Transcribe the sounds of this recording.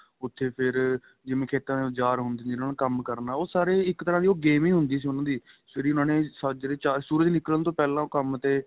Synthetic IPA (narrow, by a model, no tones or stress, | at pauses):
ʊt̪ʰːeːpʰɪɾ | d͡ʒɪʋẽːkʰeːt̪ãːeːd͡ʒaːɾɦʊnd̪ẽːɪnãːnẽkəmkəɾnaːoːsaːɾeːɪkt̪əɾãːd̪iːoːɡeːmiːɦʊnd̪iːs̬iːʊnãːd̪iː | eɾiːʊnãːneːsd͡ʒɾeːt͡ʃaːsuːɾəd͡ʒnɪklənt̪õːpɛːlãːkəmt̪eː